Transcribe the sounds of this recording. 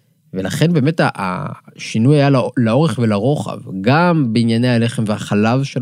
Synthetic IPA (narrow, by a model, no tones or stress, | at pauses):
velaχe̞nbe̞ːmetaʔa̰ʃinujajallao̞ʁeχvelaʁo̞χa̰vɡambeinjaneale̞χemvehaχalavʃel